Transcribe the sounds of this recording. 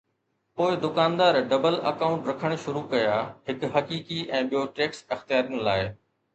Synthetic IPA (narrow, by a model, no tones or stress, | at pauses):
poːɪd̪ʊkaːnd̪aːɾɖɐbəlɐ̰kaːʊ̃ɳʈɾɐkʰəɽ̃ʃʊɾukɐjaːɦɪkɦɐkiːkiʔɛ̃ːɓijoʈeːksɐxt̪ijaːɾijəñlaːɪ